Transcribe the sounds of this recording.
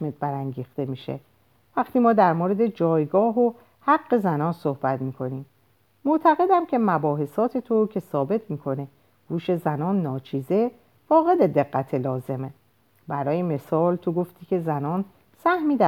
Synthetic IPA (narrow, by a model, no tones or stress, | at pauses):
met̪̚bæɾæŋɟiːxt̪e̞miːʃḛ | væɡt̪ʰiːmɒːd̪æɾmoɾe̞d̪e̞d͡ʒɒːjɡɒːɦo | hæɡːe̞zænɒːnsohbæt̪miːkʰo̞niːm | moʔt̪ʰæɣe̞d̪æmcʰe̞mæbɒːɦe̞sɒːt̪ʰe̞t̪ʰocʰe̞sɒːbe̞t̪ʰmiːkʰo̞ne̞ | ɡ̥uːʃe̞zænɒːnːɒːt͡ʃʰiːze̞ | fɒːɣe̞d̪e̞d̪e̞ɡːæt̪ʰe̞lɒːze̞me | bæɾɒːjeme̞sɒːlt̪ʰoɡo̞ft̪ʰiːcʰe̞zænɒːn | sæhmiːd̪æ